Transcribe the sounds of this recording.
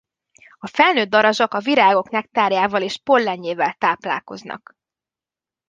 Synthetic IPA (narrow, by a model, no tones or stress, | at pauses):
ɒfɛlnøːd̪ːɒɾɒʒɒkɒviɾaːɡo̞knɛk̚t̪aːrjaːvɒleːʃpo̞lːɛɲːeːvɛlt̪aːpla̰ːko̞̰znɒ̰k